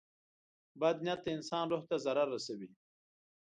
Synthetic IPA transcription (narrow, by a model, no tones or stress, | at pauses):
bad̪njat̪ːaɪnsɑːnɾoht̪azaɾaɾːasawi